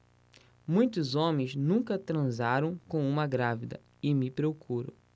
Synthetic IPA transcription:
mũj̃t̪ʊzõmẽj̃znũkɐt̪ɾɐ̃zaɾɐ̃w̃kõw̃ũmɐɡɾavid̪ɐ̰ | ɪmɪpɾeowkuɾʊ̰

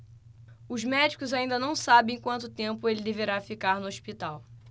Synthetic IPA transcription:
ʊzmɛd͡ʒikʊzaĩnd̪ɐnɐ̃w̃sabẽj̃kwɐ̃nt̪ʊt̪ẽmpʊelɪd̪eveɾafikaɾnʊoʃpit̪aw

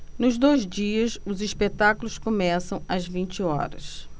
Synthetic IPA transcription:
nʊzd̪ojzd͡ʒiɐsʊziʃpet̪akulʊskomɛsɐ̃w̃ɐzvĩnt͡ʃɪɔ̰ɾɐ̰s

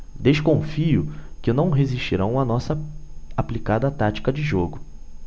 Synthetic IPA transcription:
d̪eʃkõfiʊkɪnɐ̃w̃ɦeziʃt͡ʃiɾɐ̃w̃ɐnɔsɐaplikad̪ɐt̪at͡ʃi̥kɐd͡ʒɪʒoɡʊ

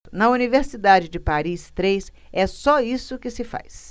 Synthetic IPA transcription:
nɐuniveɾsid̪ad͡ʒɪd͡ʒɪpaɾist̪ɾejs | ɛsɔisʊkɪsɪfa̰js

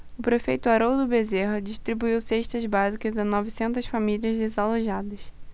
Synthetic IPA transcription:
ʊpɾefejt̪ʊaɾowd̪ʊbezeɦɐd͡ʒiʃt̪ɾibuiwseʃt̪ɐzbazikɐzɐnɔvisẽnt̪ɐsfamiliɐzd̪ezaloʒad̪ɐs

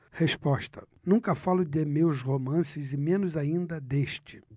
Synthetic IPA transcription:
hespɔʃt̪ɐ̥ | nũkɐfalʊd̪ɪmewzhomɐ̃sɪzɪmẽnʊzaĩnd̪ɐd̪eʃt͡ʃɪ̥

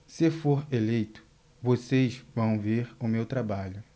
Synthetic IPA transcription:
sɪfoɾelejt̪ʊ̥ | vosejzvɐ̃w̃veɾʊmewt̪ɾabaʎʊ

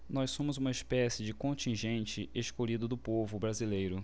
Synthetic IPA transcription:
nɔjssõmʊzũmɐɪspɛsɪd͡ʒɪkõnt͡ʃĩʒẽnt͡ʃɪeʃkoʎid̪ʊd̪ʊpovʊbɾazilejɾʊ

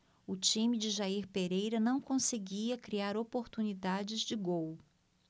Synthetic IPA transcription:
ʊt͡ʃĩmɪd͡ʒɪʒaiɾpeɾejɾɐnɐ̃w̃kõseɡiɐkɾiaɾopoɾt̪unid̪ad͡ʒɪzd͡ʒɪɡow

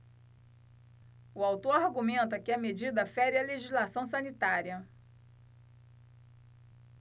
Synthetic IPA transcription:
ʊawt̪oɾaɾɡumẽnt̪ɐkɪɐmed͡ʒid̪ɐfɛɾiɐleʒizlasɐ̃w̃sɐ̃nit̪aɾiɐ

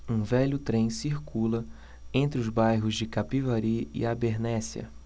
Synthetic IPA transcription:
ũvɛʎʊt̪ɾẽj̃siɾkulɐ | ẽnt̪ɾɪʊzbajɦʊzd͡ʒɪkapivaɾiɪ̰abeɾnɛsiɐ̰

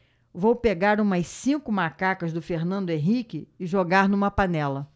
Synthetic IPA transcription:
vowpeɡaɾũmɐsĩkʊmakakɐzd̪ʊfeɾnɐ̃nd̪ʊẽɦikɪɪʒoɡaɾnũmɐpanɛlɐ

